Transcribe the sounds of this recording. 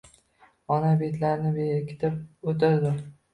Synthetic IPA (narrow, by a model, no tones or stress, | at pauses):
ɒnabet̪ʰlaɾnɪbekʲʰɪ̥t̪ʰɪp̚ot̪ad̪ɪ